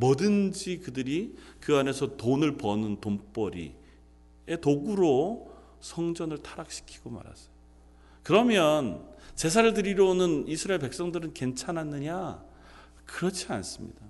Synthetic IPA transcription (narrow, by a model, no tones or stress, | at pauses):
mʌdɯnd͡ʑikɯdɯɾikɯane̞sʰʌtonɯɭpʌnɯntomp͈ʌɾḭ | e̞toɡuɾo | sʰʌŋd͡ʑʌnɯɭtʰaɾak̚ɕ͈ʰi̥kʰi̥ɡ̥oma̰ɾa̰s͈ʌ̥jo | kɯɾʌmjʌnt͡ɕe̞sʰaɾɯɭdɯɾiɾʌonɯnisʰɯɾaeɭpe̞ks͈ʌŋdɯɾɯnke̞nt͡ɕʰanɦanːɯɲa | kɯɾʌt͡ɕʰia̰ns͈ɯmɲḭd̥a